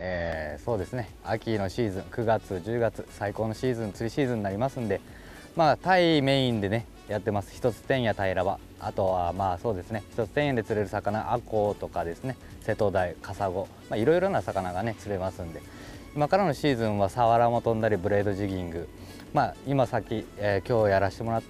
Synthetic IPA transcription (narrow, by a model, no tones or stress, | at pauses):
eːso̞ːd̪e̞sɨne̞ | a̰kʲino̞ɕiːzɨ̃ŋkɯ̟ɡat͡sɨʑɨːɡat͡sɨ̥saiko̞ːno̞ɕiːzɨ̃nt͡sɨɾʲiɕiːzɨ̃nːaɾʲimasɨ̃nd̪e̞ | maːt̪aime̞ĩnd̪e̞ne̞ | jat̪ːe̞masɨ̥çi̥t̪o̞t͡sɨ̥t̪ẽ̞ɰ̃jat̪aiɾaba̰ | a̰t̪o̞βamaːso̞ːd̪e̞sɨne̞çʲi̥t̪o̞t͡sɨ̥t̪eɰ̃jad̪e̞t͡sɨɾe̞ɾɯ̟sakanaʔako̞ːt̪o̞kad̪e̞sɨne̞ | se̞t̪o̞d̪aikasaɡo̞ | maiɾo̞iɾo̞nasakanaɡane̞t͡sɨɾe̞masɨ̃nd̪e̞ | imakaɾano̞ɕiːzɨ̃ɰ̃βasaβaɾamo̞t̪õ̞nd̪aɾʲibɯ̟ɾe̞ːd̪o̞ʑiɡʲĩŋɡɯ̟ | maːimasakʲːiekʲo̞ːjaɾaɕi̥t̪e̞mo̞ɾat̪ː